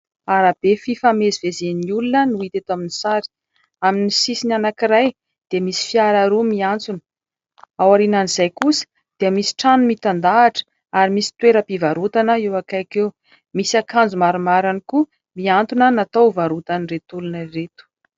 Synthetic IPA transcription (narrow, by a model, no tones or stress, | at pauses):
aɾab̥efifamezivezeniulunənuit̪et̪aminisaɾi̥ | aminisisinanakiɾaj | d̪̥emisi̥fiaɾaɾumiant͡sunə̥ | awaɾinanizajkusə̥ | d̪̥eəmisi̥ʈ͡ʂanumit̪and̪aːʈ͡ʂə̥ | aɾimisi̥t̪weɾəpivaɾut̪anəewakajkew | misiakand͡zumaɾumaɾaniku | miant̪unənat̪owvaɾut̪aniret̪ulunəiret̪u̥